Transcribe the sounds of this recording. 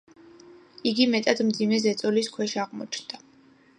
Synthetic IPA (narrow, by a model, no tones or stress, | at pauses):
iɡimɛt̪ʼad̪md̪zimɛzɛt̪sʼɔliskʰwɛʃaʁmɔ̰t͡ʃʰnd̪̥a